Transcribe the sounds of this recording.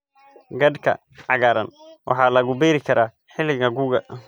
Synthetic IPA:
ɡɐd̪kʰɐ̰ | ʕɑɣaːɾɐ̰nwʔɑ̰ħɑːlɐɣʊbɛːɾɪkʰɐɾʔaː | ħɪlɪɣɐɡuːɣɐ

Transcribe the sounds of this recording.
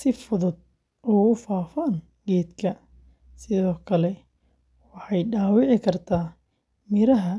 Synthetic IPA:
sɪfʊðʊd̪̚ | uːɣʊfaːfɐn | ɡɛːd̪kʰɐ | sɪðɔːkʰɐlɛ | wɑħɑjɖaːwɪʕɪkʰɐrt̪ʰaː | mɪɾɐɦɐ

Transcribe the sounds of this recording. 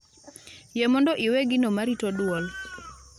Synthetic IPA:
jemɔndɔʔiweɡɪnomaɾitɔdwɔl

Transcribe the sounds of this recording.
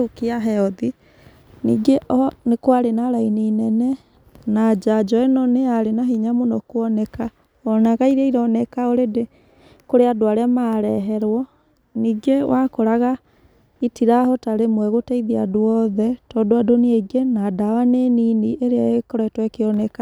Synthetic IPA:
ukiaɦɛɔði | nḭɡeʔɔnekwaɾenaɾainiːnɛnɛ | nad͡ʒad͡ʒɔɛnɔneaɾenaɦiɲamonɔkwɔnɛka | ɔnaɣaiɾeiɾɔnɛkaoɾede | koɾeadoaɾeamaːɾɛɦɛɾwɔ | niɡewakoɾaɣa | itiɾahɔtaɾemwɛɣotɛiðia̰doɔðɛtɔdoadoneeɡenadawaneniniʔeɾeaekɔɾɔɛtwɛkeɔnɛka

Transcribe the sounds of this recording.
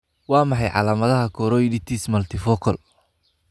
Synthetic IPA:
wɑːmɑħɑjʕɑ̰laːmɐðɐɦɐkʰɔɾɔjdɪt̪ʰismɐlt̪ʰɪfɔkʰɔl

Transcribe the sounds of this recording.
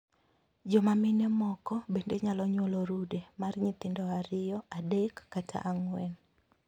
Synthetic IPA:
d͡ʒɔmamɪnemɔkɔbendeɲalɔɲwoloɾudemarɲit̪ɪndɔaɾɪjɔadekːatʰa̰ʔaŋwɛn

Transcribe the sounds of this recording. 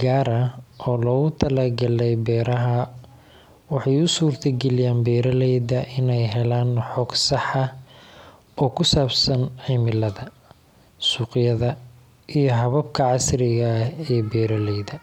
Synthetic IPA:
ɡaːɾɐʔɔːlɔːɣʊt̪ʰɐlaːɡɐlɛjbɛːɾɐɦɐ | wɑħɑjʊsuːrt̪ʰɐɡɛlɪjaːnbɛːɾɐlɛjðɐʔɪnɛjɦɛlaːnħɔːɡsɑħɑ | ɔːkʰʊsaːbsɐnʕɪmɪlɐðɐ | suːqjɐðɐ | ʔijɞɦɐβɐbkʰɐʕɑsrɪɣɐɛːbɛːɾɐlɛjðɐ

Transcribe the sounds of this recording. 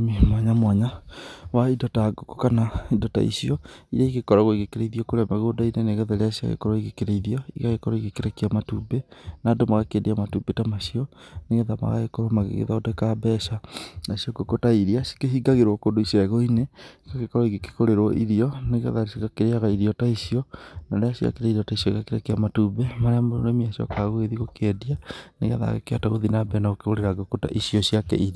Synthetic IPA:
imwaɲamwaɲawaidɔtaɡokokanaidɔta̰ḭsiɔiɾaiɣekɔɾaɣoiɣekeɾeiðiɔkoɾeamaɣodaineneɣeðaɾasia̰ɣḛkɔɾɔiɣekeɾeiðiɔikaɣekɔɾɔiɣekeɾekiamatuːbenaːdomaɣakedeamatubetamaʃiɔneɣeðama̰ɣa̰ɣekɔɾɔmaɣḛɣḛðaodakabɛʃanasiɔɡokotaiɾiasi̥keɦiɡaɣeɾwɔkodoisɔɛɣɔinekakekɔɾɔiɡeke̥koɾeɾɔʔiɾiɔneɣɛ̰ðaɾisikakeɾeaɣaiɾiɔtaisiɔnaɾeasia̰keɾaiɾiɔtaisiɔikakeɾakeamatubemaɾeamoo̰nemiasiɔ̰kaɣoeðiɣokɛdianeɣaða̰ɣḛkeataɣoðinabɛnaɣokeɣoɾeɾaɡokota̰ʔisiɔsiakɛ̰iɾia

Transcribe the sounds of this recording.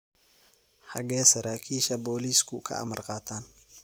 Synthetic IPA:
ħɑɡɛːsɐɾaːkʰiːʃɐbɔːliːskʰʊkʰɐ̰ʔɐ̰mɐrqɑːt̪ʰaːn

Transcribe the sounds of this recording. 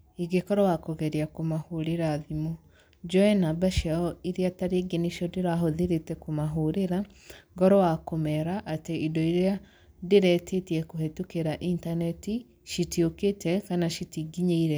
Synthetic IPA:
iɡekɔɾɔwakoɣɛɾiakomahoɾeɾaːðimo | d͡ʒɔɛnabaʃaɔiɾeataɾeɡeniʃɔdeɾaɦoðeɾetɛkomaɦoɾeɾa | ŋɡɔɾɔwakomɛɾaʔateidɔiɾea | deɾɛtetiɛkohetukeɾaʔintanɛti | ʃitioketɛkanaʃitiɡiɲeiɾɛ

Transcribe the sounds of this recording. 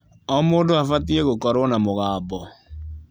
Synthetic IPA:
ɔmoːndoafatieɣokɔɾwɔnamoɣaːbɔ

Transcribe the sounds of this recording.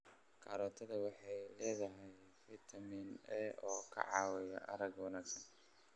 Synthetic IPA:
kʰɐ̰ɾɔːt̪ʰɐðɐwɑħɑjlɛːðɐɦɛj | fɪt̪ʰɐminʔɛʔɔːkʰɐ̰ʕɑːwɛjɐ̰ʔɐɾɐɡwɑnaːɡsɐn

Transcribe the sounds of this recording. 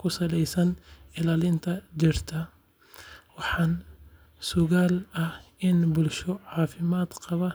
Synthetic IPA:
kʰʊsɐlɛjsɐnɪlaːlɪnt̪ʰɐt͡ʃɪrt̪ʰɐ | wɑħɑːn | sʊɣaːlɐhɪnbʊlʃɔʕɑːfɪmaːd̪̥qɑβɐ

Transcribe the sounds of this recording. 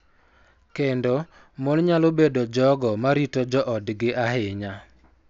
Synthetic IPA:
kendo | monɲalobedod͡ʒɔɡɔmaɾitod͡ʒɔʔɔdɡɪʔaɦɪɲa

